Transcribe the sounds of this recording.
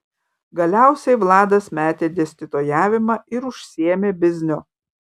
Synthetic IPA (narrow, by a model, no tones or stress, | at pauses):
ɡɐlʲæˑʊsʲɛɪʋlˠɑːd̪ɐsmʲæːt̪ʲeːd̪ʲɛsʲt̪ʲɪt̪ojæːʋʲɪmɑɪɾʊʃʲsʲieːmʲeːbʲɪzʲnʲʊ